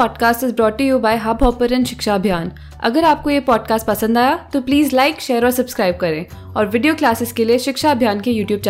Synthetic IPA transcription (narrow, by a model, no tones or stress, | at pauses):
ɔːɖkaːsʈɪzbɾɔːʈːujuːbaːɪɦaːbɔːpəɾɛ̃nʃɪkʃaɐbʱjaːn | ɐ̰ɡəɾaːp̚kojepɔːɖkaːsʈ̚pɐsə̃nd̪aːjat̪opliːzlaɪkʃeːəɾɔːɾsɐbskɾaːɪb̚kɐɾẽː | ɔːɾʋɪɖijoːklaːsɪzkelieʃɪkʃaɐbʱjaːnkejuːʈjuːb̚t͡ʃa